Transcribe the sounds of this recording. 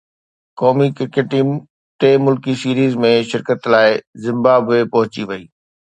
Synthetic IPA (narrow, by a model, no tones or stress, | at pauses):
kɔːmikɪɾkeʈiːm | ʈeːmʊlkisiːɾiːzmẽʃɪɾkət̪laːɪzɪ̃mbaːbʋepɐɦʊt͡ɕiʋɐiː